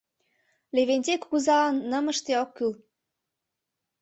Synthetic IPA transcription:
leβenʲt̪ʲekːuzɑnːə̆mə̆ʃt̪eokːyl

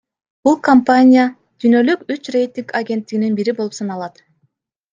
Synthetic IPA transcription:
b̥ulˠkɐmpanʲɪja | d̪̥yːnø̞lykyt͡ʃrejt̪ʲiŋkaɡʲe̞nt̪ːiɡininbiɾibolˠupsɑnɑlˠɑt̪

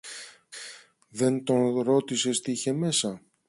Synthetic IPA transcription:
ðe̞nt̪o̞nɾo̞t̪ise̞st̪içe̞me̞sɐ

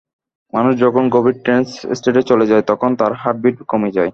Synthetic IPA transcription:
manuʃd͡ʑɔkʰonɡobiɖ̚ʈɾenssʈeʈet͡ɕoled͡ʑajt̪ɔkʰont̪aɾɦaʈ̚biʈ̚komed͡ʑaj

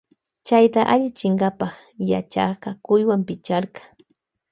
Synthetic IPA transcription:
t͡ʃajt̪aʔaʎɪt͡ʃɪɴɢɑpɑχ | ja̰t͡ʃa̰qɑkʊjwampɪt͡ʃaɾɢɑ̥

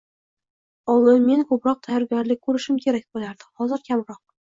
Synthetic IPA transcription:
ɒwɪnme̞nkʰɵpɾɒq̚t̪ʰajɒɾɡʲɒɾlɪkʲkʰːɵɾɪʃɪmkʲʰe̞ɾak̚ʲbolaɾd̪ɪhɒzɪɾkʲʰamɾɒq̚

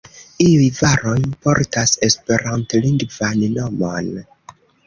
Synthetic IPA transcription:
iujvaɾojpo̞̰ɾtase̞spe̞ɾantliŋɡvannomon

